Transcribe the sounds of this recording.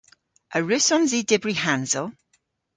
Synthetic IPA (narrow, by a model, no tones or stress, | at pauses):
ʔəɹʉsɔnziːdɪbɹihanzəlˠ